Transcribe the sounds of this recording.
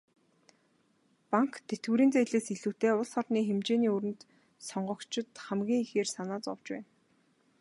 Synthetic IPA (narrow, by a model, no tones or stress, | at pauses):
paŋkt̪ʰet̪ɡuːɾiːnt͡sæːɮeːsiɮuːt̪eːʊɮsχɔrniːxemt͡ɕeːniːuɾɘ̆nt̪ | sɔɴɢɞ̆kt͡ɕɪ̆t̪χæmɡʲiːŋixeːrsanaːt͡sɔwt͡ɕpæ̰ːn